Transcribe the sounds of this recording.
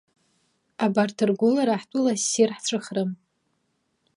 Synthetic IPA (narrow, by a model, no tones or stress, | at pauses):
abartʰɨrɡʷʊlaɾaħtʷʼʊlasirħt͡sʷʰʼɨχrɨm